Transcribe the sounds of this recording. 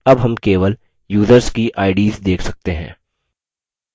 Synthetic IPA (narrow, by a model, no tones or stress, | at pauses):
ɐbɦɐmkeːʋəl | juːzəɾskiʔaːɪɖiːzd̪eːkʰsɐk̚t̪eɦɛ̰̃ː